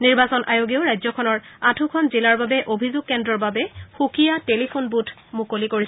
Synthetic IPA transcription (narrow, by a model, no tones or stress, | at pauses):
niɹbasɔnʔajoɡioʊɹajzɔkʰɔnɔɹatʰukʰɔnzilaɹbabɛʔobʱizʊɡ̚kːɛndɹɔɹbabɛxukʰijatelipʰunbutʰ | mukolikoɹis